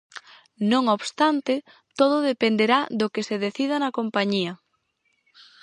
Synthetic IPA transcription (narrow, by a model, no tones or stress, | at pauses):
nõŋoβst̪ant̪ɪ | t̪oðʊðepend̪eɾaðokeseðeθiðanɐkompaɲiɐ